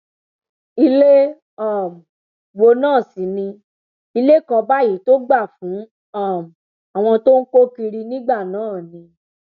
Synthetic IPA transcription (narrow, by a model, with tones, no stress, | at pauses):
i˧le˦ | a˦˨m˨ | wo˧nãː˦˨si˨˦nĩ˧ | i˧le˦kɔ˧ba˦ji˨˦to˦ɡ͡ba˦˨fũ˨˦ | a˦˨m | a˨w̃ɔ̃˧to˦ŋ̩˦ko˦ki˧ɾi˧nĩ˦ɡ͡ba˦˨nãː˨˦˨nĩ˧